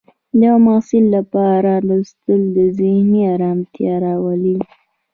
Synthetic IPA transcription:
d̪əjawmɑsɪlːapɑɾalust̪əld̪əzɪhniɑɾɑmt̪jɑɾɑwali

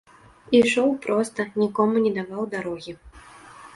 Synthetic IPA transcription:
iʂɔwpɾʔɔst̪ɐnʲikɔmunʲɛd̪avawd̪aɾɔɣʲi

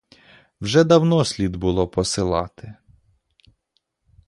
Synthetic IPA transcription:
wʒɛd̪ɐwnɔsʲlʲid̪bʊlˠɔpɔsɪlˠɑt̪ɪ

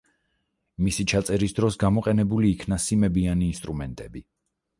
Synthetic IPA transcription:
misit͡ʃʰat̪sʼɛɾisd̪ɾɔsɡamɔqʼɛnɛbuliːkʰnasimɛbianiːnst̪ʼɾumɛnt̪ʼɛbi

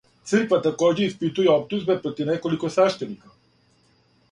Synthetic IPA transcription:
t̪sɨrkʋat̪akoːd͡ʑeispit̪ujeop̚t̪uzbepɾot̪ivnekolikosaʃt̪enika

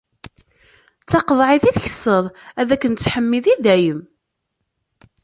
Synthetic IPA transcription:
t͡sːɑqəðˤʕeθiθçə̥sːəðˤæðækːənt͡sːħəmːiðiðæjəm

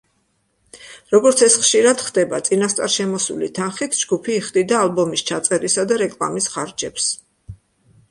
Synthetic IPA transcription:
ɾɔɡɔɾt̪sʰɛsχʃiɾad̪χd̪ɛbat̪sʼinast̪sʼaɾʃɛmɔsṵlḭt̪ʰanχit̪ʰd͡ʒɡupʰiːχd̪id̪aːlˠbɔmist͡ʃʰat̪sʼɛɾisad̪aɾɛkʼla̰misχaɾd͡ʒɛps

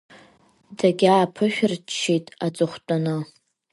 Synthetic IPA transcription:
daɡʲaːpʰɨʃᶣrt͡ʃʰːitʼat͡sʼɨχʷtʼanɨ

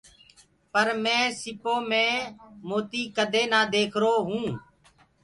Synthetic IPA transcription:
pəɾmɛ̃ːsɪpoːmẽːmoːt̪iːkəd̪ʱeːnaːd̪eːkʰɾoːɦũː

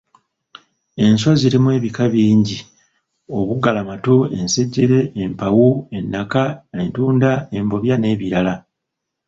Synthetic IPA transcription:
e̞nswaziɾimwe̞ːβikaβiːɲɟi | o̞βuɡalamatoe̞nse̞ɟːe̞ɾe̞ːmpawue̞nːakae̞ntuːndae̞mbo̞βjane̞ːβiɾala

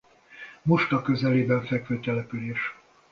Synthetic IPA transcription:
muʃt̪ɒkø̞zɛleːbɛɱfɛkføt̪ɛlɛpyleːʃ

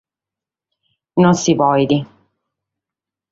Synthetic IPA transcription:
nonsivɔjd̪i

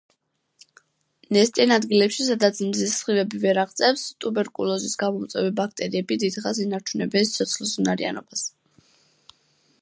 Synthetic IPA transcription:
nɛst̪ʼianad̪ɡilɛpʃisad̪at̪sʰmzisχivɛbivɛɾaʁt̪sʼɛfst̪ʼubɛɾkʼulˠɔzisɡamɔmt̪sʼwɛvibak̚ʰt̪ʼɛɾiɛbid̪id̪χasinaɾt͡ʃʰunɛbɛnsi̥t̪ʰɔt̪sʰχlˠsunaɾḭa̰nɔbas

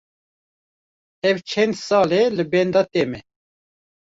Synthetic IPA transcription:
ɛvt͡ʃʰɛnd̪sɑːlelɨbɛnd̪ɑt̪emɛ

